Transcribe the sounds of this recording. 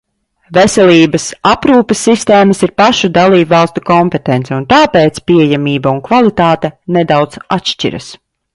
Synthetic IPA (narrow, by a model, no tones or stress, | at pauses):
vesɛliːbɐsapɾuːpəsːist̪eːmɐsiɾpaʃud̪alˠiːbvalˠst̪ukɔmpɛt̪ɛnt̪sɛunt̪aːpeːt̪spiɛjamiːbaunkvalˠit̪aːt̪ɛned̪awd̪zatʃt͡ʃḭɾɐ̰s